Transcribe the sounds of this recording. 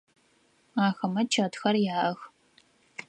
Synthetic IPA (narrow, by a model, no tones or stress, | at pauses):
aːxɐmɐt͡ʃʰɐtxɐrjaːʔɐx